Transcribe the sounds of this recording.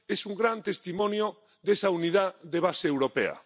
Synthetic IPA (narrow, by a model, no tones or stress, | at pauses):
esuŋɡɾant̪est̪imɔ̃njo | ðesauniðaðeβ̞aseːwɾopḛɐ̰